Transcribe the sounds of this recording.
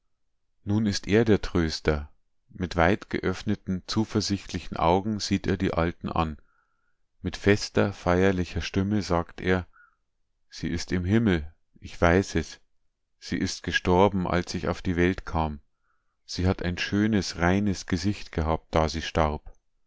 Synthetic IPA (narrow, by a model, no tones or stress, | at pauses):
nuːnɪstʔeːɐdeːɐtʁ̥øːstɐ | mɪtv̥aɪtɡ̥ə̰ʔœfnətn̩t͡suːfɐzɪçtlɪçn̩ʔa̰ʊɡŋ̩z̥iːteːɐdḭːʔaltn̩ʔa̰n | mɪtfɛstɐfaɪɐlɪçɐʃtɪməzaːktʔḛːɐ | z̥ḭːʔɪstɪmɦɪml̩ | ʔɪçv̥aɪsɛs | z̥ḭːʔɪst̚ɡ̥əʃtɔɐbm̩ʔa̰lsɪça̰ʊfd̥iːvɛltkʰaːm | z̥iːɦatʰaɪnʃøːnəsʁaɪnəsɡ̥əzɪçtɡ̥əɦaːp̚t̚d̥aːziːʃtaʁp